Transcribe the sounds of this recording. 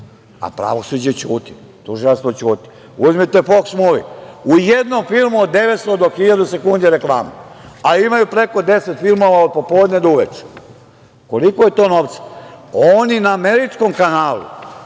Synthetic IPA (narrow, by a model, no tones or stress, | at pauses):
a̰pɾa̰ʋo̞sud͡ʑet͡ɕuːt̪i | t̪uʒilast̪ot͡ɕuːt̪i̥ | uzmit̪e̞foksmuːʋḭujed̪nomfilˠmuod̪ːe̞ʋet̪st̪od̪o̞xiʎad̪use̞kund̪iɾe̞klˠaːmeaimajupɾe̞ko̞d̪e̞set̪filˠmo̞ʋaod̪̚po̞poːd̪ɲed̪ouʋet͡ʃe̥ | ko̞likojet̪o̞ːno̞ʋt̪sḁoninaːme̞ɾit͡ʂko̞mkanaːlṵ